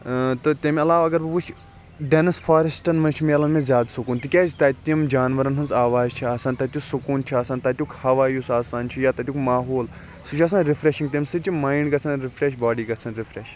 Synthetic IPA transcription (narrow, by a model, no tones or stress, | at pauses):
t̪ɨt̪emiɐlaːʋɐɡɐɾbɐbut͡ʃʰ | ɖenɨsfʰaːɾɐsʈɐnmɐnt͡ʃʰimelɐnmẽzʲjaːd̪sukuːnt̪ikʲaːzʰt̪aːt̪imd͡ʒaːnʋɐɾɐnɦunzaːʋaːzt͡ʃʰiaːsaːnt̪ɐt̪ʲusukuːnt͡ʃʰiaːsaːnt̪at̪ʲukhɐʋaːjusaːsaːnt͡ʃʰijaːt̪ɐt̪jukmaːɦoːl | sut͡ʃʰɐːs̬aːnɾifʰɾeʃĩŋɡt̪ʲemsɨt͡ʃimaːiɳɖɡɐsɐnɾipʰɾeʃbaːɖiːɡɐsɐnɾipʰɾeːʃ